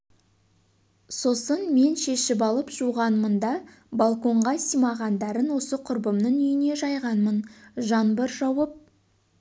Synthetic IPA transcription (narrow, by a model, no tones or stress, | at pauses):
so̞sənme̞nʃe̞ʃɪpɑlˠəpʒuʁɑnmənd̪ɑ | balˠko̞ɴʁɑsijmɑʁɑnd̪ɑɾənwo̞səqʰʊɾbəmnəɴʏjɪne̞ʒɑjʁɑnmənʒɑnbəɾʒɑwəp̚